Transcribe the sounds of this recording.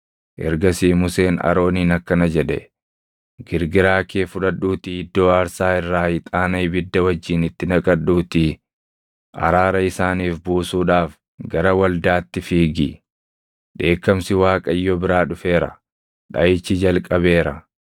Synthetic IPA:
ʔɛ̰ɾɡɐsiːmʊse̞ːnɐ̰ɾo̞ːniːnɐkːɐnɐd͡ʒɛᶑɛ̰ | ɡɪɾɡɪɾaːkeːfʊᶑɐᶑuːt̪ɪɪd̪ːo̞ːɐɾsaːɪrːaːhɪt̪ʼaːnɐjbɪd̪ːɐwɐd͡ʒːiːnɪt̪ːɪnɐkʼɐᶑːuːt̪ɪ | ʔɐ̰ɾaːɾɐɪsaːniːfbuːsuːᶑaːf | ɡɐɾɐwɐld̪aːt̪ːɪfiːɡi | ᶑe̞ːkːɐmsɪwaːkʼɐjːɔbɪɾaːᶑʊfe̞ːɾɐ̰ | ᶑɐjɪt͡ʃːɪd͡ʒɐlkʼɐβe̞ːɾɐ

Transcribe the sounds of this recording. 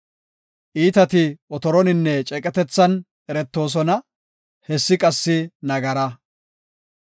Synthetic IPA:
ʔiːt̪ɐt̪ɪɔt̪ɔɾɔnɪnːɛt͡ʃʼɛkʼɛt̪ɛt͡sːɐn | ʔɛɾɛt̪ːo̞ːs̬ɔnɐ | hɛsːɪkʼɐsːɪnɐɡɐɾɐ

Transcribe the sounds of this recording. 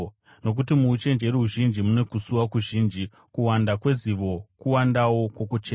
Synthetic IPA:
no̞k̬utimuːt͡ʃe̞nd͡ʒe̞ɾuɦuʒind͡ʒimune̞kusuwakuʒiːnd͡ʒi | kuwandakwe̞ziʋo̞kuwandawo̞kwokut͡ʃeː

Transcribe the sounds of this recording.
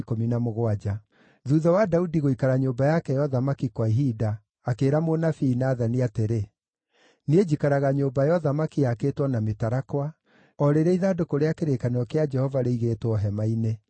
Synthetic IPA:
kominamoɣwad͡ʒa | ðuðɔwadaudiɣoikaɾaɲobajakɛjɔðamakikwaiɦidaː | keːɾamonafinaːðaniateɾe | ned͡ʑikaɾaɣaɲoːbajɔðamakiaketwɔnametaɾakwa | ɔɾeɾɛiðadokoɾeakeɾekaneɔkead͡ʒɛhɔvaɾeiɣeːtwɔɦɛmaine

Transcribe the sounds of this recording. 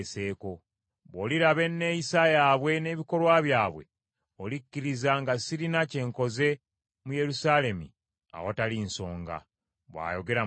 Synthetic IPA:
se̞ːko̞ | βoliɾaβe̞nːe̞ːjisajaːβwe̞ne̞ːβiko̞lwaβjaːβwe̞̰ | olicːiɾizaŋɡasiɾinace̞ːŋko̞ze̞ | muje̞ɾusaːle̞mḭ | a̰wotalinso̞ːŋɡa̰ | βwa̰ːjo̞ɡe̞ɾa

